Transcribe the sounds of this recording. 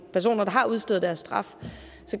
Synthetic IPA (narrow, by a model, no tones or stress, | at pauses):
pʰæɐso̝̰ːnɐd̥ɑ̈ɦɑ̈uð̞ˠsd̥øð̩ˠd̥æɐsːd̥ʁɑ̈f | sɒ̽